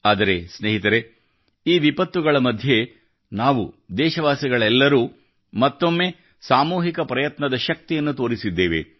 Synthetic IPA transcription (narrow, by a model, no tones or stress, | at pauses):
aːd̪ɐɾesneːɦit̪ɐɾe | iːʋipɐt̪ːuɡɐɭɐmɐd̪ʱje̞ | naːʋṵd̪ɛːʃɐʋaːsiɡɐɭɛlːɐɾuː | mɐt̪ːo̞mːe̞ | saːmuːɦikɐpɾɐjɐt̪nɐd̪ɐʃɐk̚t̪ijɐnːut̪o̞ːɾisid̪ːeːʋḛ